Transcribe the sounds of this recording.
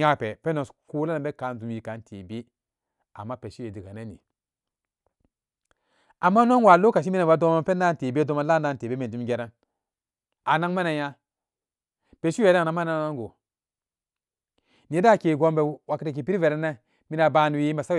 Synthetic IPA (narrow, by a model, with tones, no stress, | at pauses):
a˦˨pɛ˨pɛ˦no˨sku˦la˦na˨be˦ka˨˦nzu˨m˨ji˨ka˨˦n˦tʰḛ˨be˦ | a̰˨mːa˦pe˨ʃi˦e˨di˨ka˨ne˦nḭ˨ | a˨mːa˦no˦nwa˨lo˦ka˨i˦mi˦na˨ba˨˦do˦a˦pɛ˦na˦˨te˨bdo˦ma˦la˦na˦˨n˨te˨be˦me˨d͡ʒu˦ɡe˦˨ɾa˦n | a˨na˦ŋma˦na˨ja˦ | pe˨ʃi˦e˨da˦˨na˨˦ma˦na˦n˨a˦ŋɡo˨ | ni˨e˦da˦˨ke˨ɡo˦mbɛ˨wa˨ki˦ta˨k̬i˨pi˦ɾi˦ve˨ɾɛ˦na˦ | mi˦na˨ba˨˦˨nu˨wi˦ma˨sa˦